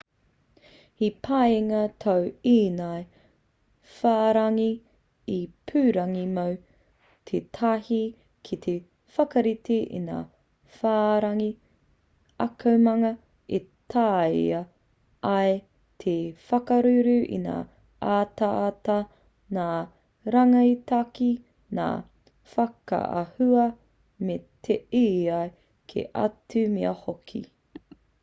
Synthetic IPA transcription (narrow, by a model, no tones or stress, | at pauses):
hipʰajŋɐtʰɐwiːnaj | faːɾɐŋi | ipʰʉːɾɐŋimow | tʰetʰahi | kʰit̪ʰe | fɐkɐɾitʰeʔḭna̰ː | faːɾɐŋi | ɐkʰɐwmɐŋɐ | etajɐ | ɐj | t̪ʰefɐkɐɾʉɾʉḭna̰ː | aːtɐːtɐ | naː | ɾɐŋɐitɐki | na̰ː | fɐkɐ̰ʔɐ̰hʉɐ | metʰeiɐe | kʰḛʔɐ̰tʉmeɐhokʰḭ